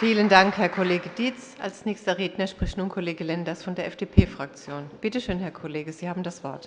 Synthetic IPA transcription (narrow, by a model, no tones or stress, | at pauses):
fiːləndaŋkhɛɐkʰoleːɡəd̥iːt͡s | a̰lsnɛːçstɐʁeːdnɐʃpʁ̥ɪçnuːɐnkʰoleːɡəlɛndɐsfɔndeːɐʔɛfd̥eːpʰeːfʁ̥ak̚t͡sjoːnb̥ɪtəʃøːnhɛɐkʰoleːɡəz̥iːhaːbm̩dasv̥ɔɐt